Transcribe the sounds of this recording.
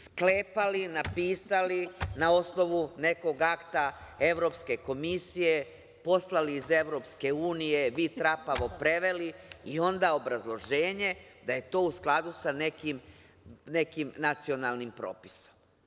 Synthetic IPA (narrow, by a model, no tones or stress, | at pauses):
skle̞ːpalinapiːsalinao̞sno̞ʋune̞ko̞ɡakt̪ae̞ʋɾo̞pske̞ko̞misije̞ | po̞slaliːze̞ʋɾo̞pske̞uːnije̞ʋit̪ɾapaʋo̞pɾe̞ʋe̞liio̞nd̪ao̞bɾazlˠo̞ʒe̞ːɲe̞d̪aje̞t̪o̞ːusklˠad̪usane̞kim | ne̞kimnat̪sio̞nalˠnimpɾo̰ːpi̥so̞̥m